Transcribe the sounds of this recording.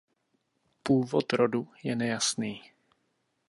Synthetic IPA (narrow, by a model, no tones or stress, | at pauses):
puːvot̪ɾodujɛnɛjasniː